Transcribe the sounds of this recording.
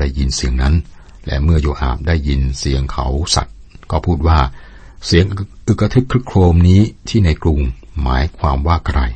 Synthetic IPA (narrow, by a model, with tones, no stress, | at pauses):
da˥˩jːi˧nsi˨˩əŋna˦˥n | lɛ̰˦˥mɯ˥˩ɐjoː˧ʔa̰ː˨˩p̚daː˥˩jːi˧nsi˨˩˦əŋkʰa̰˦wsa̰˨˩t̪̚ | kɔː˥˩pʰuː˥˩t̪̚waː˥˩ | si˩˦əŋʔu˨˩kɾa˧t̪ʰɯ˦˥kʰɾɯ˦˥kʰloː˧mniː˦˥t̪ʰiː˥˩na˧jklu˧ŋma̰ː˩˦jkʰwaː˧mwaː˥˩kʰɾa˧j